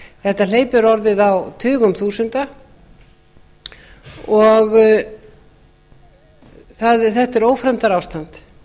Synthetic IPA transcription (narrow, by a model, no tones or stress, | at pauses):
θɛht̪aleːjpʏɾɔɾðɪðawt̪ʰʏːɣʏmθuːsʏnt̪a | ɔɣ | θaðθɛht̪ɛɾoːwfɾɛmt̪aɾawst̪ant̪